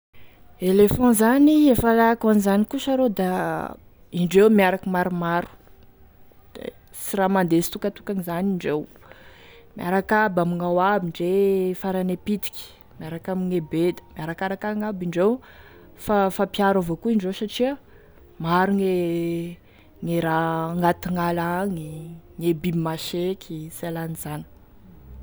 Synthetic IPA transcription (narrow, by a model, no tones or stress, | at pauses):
elefɔ̃zaniefalakanizanikusaɾod̪a | iɳɖ͡ʐewmiaɾakimaɾumaɾu̥ | d̪̥ḛ | siramand̪esi̥t̪ukət̪u̥kaŋizaniɳɖ͡ʐew | mia̰ɾakabamiŋawabiɳɖ͡ʐefaɾanepit̪i̥kʲi̥ | miaɾakamiŋebed̪ə̥miaɾakaɾakaŋabiɳɖ͡ʐew | fafapjaɾavokuiɳɖ͡ʐewsaʈ͡ʂiə | maɾuŋe | ŋeɾaŋat̪iŋalaŋiŋebimaʃekʲʰiselanizanə̥